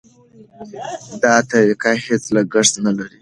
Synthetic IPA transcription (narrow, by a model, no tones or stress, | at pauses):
d̪ɑt̪aɾikahet͡slaɡəʂsnalaɾi